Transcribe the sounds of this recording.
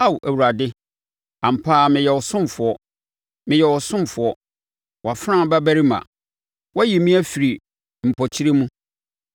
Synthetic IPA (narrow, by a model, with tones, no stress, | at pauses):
a˦˨wʔæ˨wu˨ɾa˨dɪ˦ | ã˨m̩˨pʰaː˦˨mɪ̃˨jɛ˨wɔ˨sʊ̃˦m˨fʊ˨ɔ˦ | mɪ̃˨jɛ˨wɔ˨sʊ̃˦m˨fʊ˨˦ɔ˦ | wʔa˨fɾã˦˨ba˦bæ˦ɾi˦mã̰˨ | wɔ˦ji˨mĩ˦æ˦fi˨ɾi˨ | m̩˨pʰɔ˨t͡ɕʰi˦ɾe˦mũ˦